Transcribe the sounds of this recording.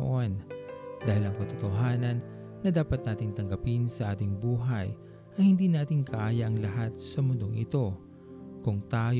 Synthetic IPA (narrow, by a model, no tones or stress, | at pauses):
ʔo̞nd̪aːhɪlɐŋkɐt̪ot̪oɦaːnɐnː | ɐd̪aːpɐt̪̚naːt̪ɪŋt̪ɐŋɡɐpinsɐʔaːt̪ɪŋbuːɦɐj | ʔɐhɪnd̪iːnaːt̪ɪŋkʰɐʔaːjɐʔɐŋlɐɦat̪̚sɐmʊnd̪oŋʔɪ̰t̪o̞ | kʊŋt̪aːj